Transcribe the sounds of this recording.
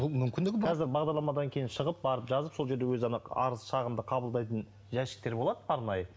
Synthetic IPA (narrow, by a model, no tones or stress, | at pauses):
bʊmʏmkʲɪnd̪ɪkbʰɑzɪɾbɑʁd̪ɑɾlˠɑmɑd̪ɑŋkʲʰe̞jɪnʃəʁəp̚bɑɾəpʒɑzəpso̞lˠʒe̞ɾd̪ewɵzɑnɑɑ̰ɾəzʃɑʁəmd̪əqʰɑbəlˠd̪ɑjt̪ən | ʒæʃɪ̥k̚t̪e̞ɾbo̞lˠɑd̪əbʰɑɾnɑjə